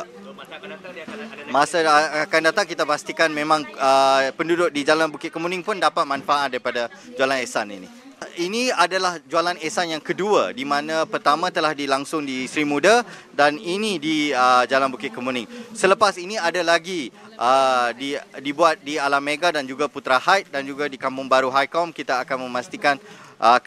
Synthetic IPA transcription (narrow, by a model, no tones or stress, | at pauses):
masaakandat̪aŋkit̪apast̪ikanmẽmãŋəpəndudʊk̚did͡ʒalanbukɪt̪̚kəmunɪŋpʊndapat̪̚manfaʔat̪̚daɾipada | d͡ʒualanesanḭnḭ | iniadalahd͡ʒualanesanjaŋkəduədimãnãpərt̪amãt̪əlahdilaŋsʊŋdisɾimudə | daninĩdiəd͡ʒalanbukɪt̪̚kəmunɪŋsələpasiniadalaɡi | ʔədidibuat̪̚dialameɡadand͡ʒuɡaput̪ɾahajt̪̚dand͡ʒuɡadikampʊŋbaɾuɦajkɔmkit̪aːkanmə̃mast̪ikanʔə